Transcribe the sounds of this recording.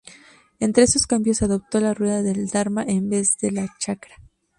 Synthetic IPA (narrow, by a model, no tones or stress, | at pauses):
e̞nt̪ɾe̞eso̞skambjo̞saðo̞p̚t̪o̞larwe̞ðaðe̞ld̪aɾmaʔembe̞zðe̞lat͡ʃakɾḁ